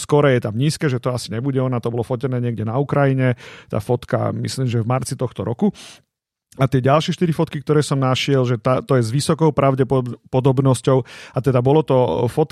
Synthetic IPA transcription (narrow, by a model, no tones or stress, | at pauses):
skɔɾɛjɛt̪amɲiːskɛːʒɛt̪ɔasiɲɛbuɟɛɔnat̪ɔbɔlɔfɔcɛnɛːɲɪɛɡɟɛnaukɾajiɲɛt̪a̰ːfɔt̪ka̰mḭsliːmʒɛvmaɾt͡sit̪ɔxt̪ɔɾɔku | at̪ɪɛɟalʃɪɛʃt̪iɾifɔt̪kik̚t̪ɔɾɛːsɔmnaʃɪɛlʒɛt̪at̪ɔjɛzʋisɔkɔʊpɾaʊɟɛppɔd̪ɔbnɔscɔʊat̪ɛd̪abɔlɔt̪ɔfɔt̪